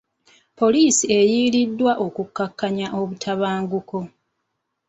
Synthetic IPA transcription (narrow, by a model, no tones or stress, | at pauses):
po̞liːsie̞jiːlidːwaʔo̞kukːakːaɲaʔo̞βutʰaβaːŋɡuko̞